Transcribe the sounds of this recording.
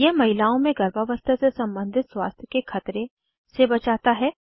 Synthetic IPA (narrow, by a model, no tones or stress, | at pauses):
jɛɦmɐɦɪlaːõmẽɡʱɐɾbʱaʋəst̪ʰəsesɐ̃mbə̃nd̪ʱɪt̪swa̰ːst̪ʰjəkekʰɐt̪ɾẽ | sebɐt͡ʃaːt̪aɦɛː